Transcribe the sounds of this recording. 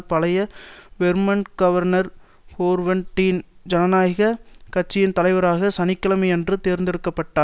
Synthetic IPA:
pɐlɐjɐʋɛɾmɐnɡ̥ɐʋɐɾnɐɾ | foːɾʋɐɳʈːind͡ʒɐnɐnaːjɪɣɐkɐʈ̚t͡ʃːɪjɪnt̪ɐlɐɪʋɐɾaːɣɐsɐnɪkːɐlɐmɐɪɛndrɯt̪eːɾnd̪ɪɾɯkːɐpːɐʈːaː

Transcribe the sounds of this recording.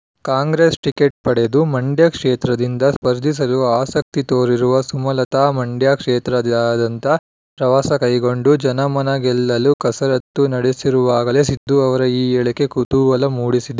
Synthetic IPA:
kaːŋɡɾesʈikeʈ̚pɐɽe̞d̪umɐɳɖjɐkʂeːt̪ɾɐd̪ind̪ɐspɐɾd̪ʱis̬ɐluaːsɐk̚t̪it̪oːɾiɾuʋɐsumɐlɐt̪aːmɐɳɖjakʂeːt̪ɾɐd̪aːd̪ɐnt̪ɐ | pɾɐʋaːsɐkɐjɡo̞ɳɖud͡ʒɐnɐmɐnɐɡɛlːɐlukɐsɐɾɐt̪ːunɐɽesiɾuʋaːɡɐleːsid̪ːuɐʋɐɾɐiːɛɭɐke̞kut̪uʋɐlɐmuːɽisid̪e

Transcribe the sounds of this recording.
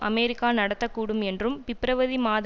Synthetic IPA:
ɐmeːɾɪkːaːnɐɽɐt̪ːɐkːuːɽɯmɛndrɯmʋɪpɾɐʋɐðimaːð

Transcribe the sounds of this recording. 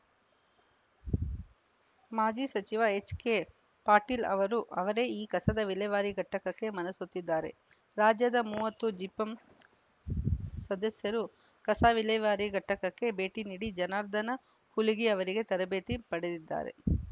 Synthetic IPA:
maːd͡ʒisɐt͡ʃiʋaet͡ʃːke | paːɾʈilɐ̰ʋɐɾuʔɐʋɐɾe̞iːkɐsɐd̪ɐʋilɐjʋaːɾiɡʱɐʈːɐkɐkːe̞mɐnɐsut̪ːid̪ːaːɾe̞̰ | ɾaːd͡ʒjɐd̪ɐmuːʋɐt̪ːud͡ʒipːɐm | sɐd̪ɐsjɐɾu | kɐsaːʋilɐjʋaːɾiɡʱɐʈːɐkɐkːe̞be̞ːʈiniːɽid͡ʒɐnaːɾd̪ɐnɐ | huliɡiɐʋɐɾiɡe̞t̪ɐɾɐbe̞ːt̪ipɐɽed̪id̪ːa̰ːɾe̞̰

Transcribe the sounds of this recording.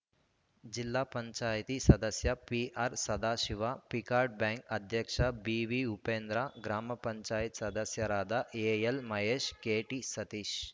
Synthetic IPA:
d͡ʒilːaːpɐɲt͡ʃaːjt̪iːsɐd̪əsjɐpiʔaːɾsɐd̪ʱaːʃiʋapikaːɾɖ̚bɛ̃ːŋkɐd̪ʱjɐkʂɐbiʋiupẽːnd̪ɾaɡɾaːmɐpɐɲt͡ʃaːjit̪sɐd̪ɐsjɐɾaːd̪aʔeːjelmɐɦeːʃkeːʈiːsɐt̪iːʃ

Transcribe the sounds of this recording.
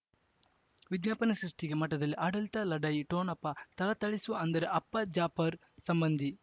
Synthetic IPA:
ʋid̪ɲaːpɐnɐsɾiʂʈiɡemɐʈːɐd̪ɐlːiʔaːɽɐlit̪ɐlɐɖɐjiʈoːnɐpːɐt̪ɐlɐt̪ɐɭisuɐnd̪ɐɾeʔɐpːɐd͡ʒaːpɐɾ | sɐmbɐnd̪ʱi

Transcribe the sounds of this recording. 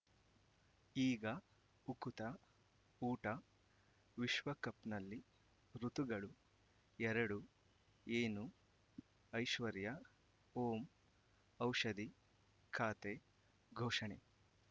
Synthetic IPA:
iːɡɐ | ukut̪ɐ | uːʈɐ | ʋiʃʋɐkɐpnɐlːi | ɾut̪uɡɐɭu | ɛɾɐɽu | eːnu | ɐjʃʋɐɾjɐ | oːm | ɐwʂɐd̪i | kʰaːt̪e | ɡʱoːʃɐɳe

